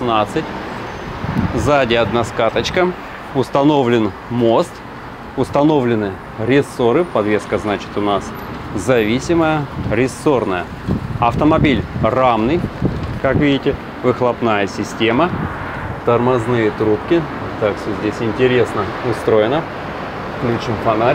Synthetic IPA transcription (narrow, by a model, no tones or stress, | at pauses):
nat̪sɨtʲ | zadʲɪɐd̪naskat̪ət͡ɕkə | ʊst̪ɐno̞vlʲɪn | mo̞st̪ | ʊst̪ɐno̞vlʲɪnɨ | ɾʲɪsːo̞ɾɨpɐd̪vʲe̞skəznat͡ɕɪ̥t̪ʊnas | zɐvʲisʲɪməjəɾʲɪsːo̞rnəjə | ɐft̪əmɐbʲilʲramnɨjkakvʲidʲɪtʲɪ | vɨxlˠɐpnajəsʲɪsʲtʲe̞mə | t̪ərmɐznɨjət̪ɾupkʲɪ | t̪akʂt̪ozʲdʲesʲɪnʲtʲɪɾʲe̞snə | ʊst̪ɾo̞jɪnə | fklʲut͡ɕɨmfɐnaɾʲ